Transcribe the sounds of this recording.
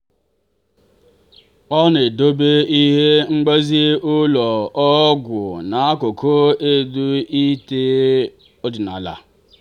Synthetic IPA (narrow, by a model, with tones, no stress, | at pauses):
ɔ˦ne˨do˦be˦i˦ɦe˦ŋ͡m̩˦ɡ͡be˦zi˦ʊ˦lɔ˨ɔ˦ɡʷʊ̰˨na˨a˦kʊ˨kʰo˦e˦˨du˦i˦te˦ | o˦dɪ˨na̰˨la̰˨